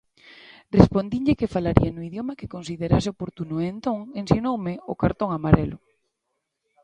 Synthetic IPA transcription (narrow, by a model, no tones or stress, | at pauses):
respond̪iɲʎɪkɪfalaɾḭanʊiðjomakɪkonsiðeɾaseopoɾt̪unʊent̪oŋensinowmɪʊkaɾt̪oŋamaɾɛ̰lʊ